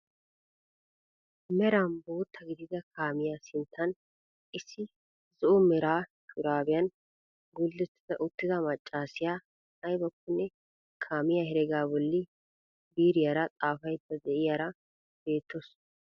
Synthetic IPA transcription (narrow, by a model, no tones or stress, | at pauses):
mɛɾambo̞ːt̪ʰːɐɡɪd̪ɪzɐkʰaːmɪjasɪnt̪ʰːɐn | ʔɪsːɪ | zɔʔɔmɛɾaːʃʊɾaːbɪjɐn | ɡʊlːɛt̪ːɪzɐʔʊt̪ːɪzɐmɐt͡ʃʼːaːsɪjaː | ɐjbɐkːʊnːɛ | kʰaːmɪjahɛɾɛɡaːbɔlːɪ | biːɾɪjaɾɐt̪ʼaːfɐjt̪ːɐd̪ɛʔɪjaːɾɐ | b̥e̞ːt̪ːos